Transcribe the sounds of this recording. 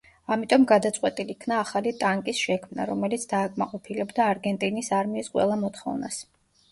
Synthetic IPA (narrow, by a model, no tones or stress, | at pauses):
amit̪ʼɔmɡad̪at̪sʼwɛt̪ʼilikʰnaːχalit̪ʼaŋkʼisʃɛkʰmna̰ɾɔmɛlit̪sʰd̪aːkʼmaqʼɔpʰilɛbd̪aːɾɡɛnt̪ʼinisaɾmiːsqʼwɛ̰lˠamɔt̪χɔ̰vnas